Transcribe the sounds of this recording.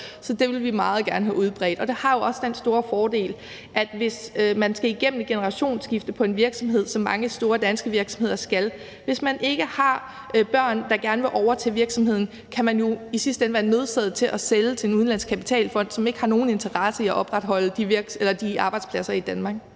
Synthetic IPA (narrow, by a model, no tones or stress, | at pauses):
sɒ̽d̥e̝ʋe̝lʋimɑ̈ːð̩ˠɡ̥æɐnəɦæʔuð̞ˠb̥ʁɛ̰ːd̥ɒ̽d̥e̝hɑ̈jo̝ɒ̽sd̥ensd̥o̝ːɐfɒːd̥e̝̰ːl | ʔæd̥ʋe̝smænsɡ̥æiɡ̥em̰m̩ɡ̥enəʁɑ̈ɕo̝̰ːnsɡ̥ifd̥əpʰɒ̽e̝nʋiɐɡ̥sɒ̽mɦe̝ð̞̰ˠsɒ̽mːɑ̈ŋəsd̥o̝ːɐd̥ænsɡ̥əʋiɐɡ̥sɒ̽mhe̝ð̰ˠɐsɡ̥æl | ʋe̝smænʔe̝ɡ̥əhɑ̈ | b̥ɶɐ̰nd̥ɑ̈ɡ̥æɐnəʋe̝ʔɒʊɐt͡sʰe̝ʋiɐɡ̥sɒ̽mɦhe̝ð̰ˠn̩ | kʰæmænjo̝isisd̥əenʋæːɐnø̝ð̞ˠsɛð̩ˠt͡sʰe̝lʔæselət͡sʰe̝enuðˠnlæn̰skʰæpi̥t͡sʰɛ̰ːlfɒ̽n̰d̥sɒ̽me̝ɡ̥əhɑ̈no̝ːn̩e̝nt͡sʰɐʁɑsəiæʔɒ̽b̥ʁad̥ɦɒ̽l̰əd̥iʋiɐɡ̥elɐd̥iɑ̈ːb̥ɑ̈ɪd̥spʰlæsɐid̥ænmɑ̈ːɡ̥̚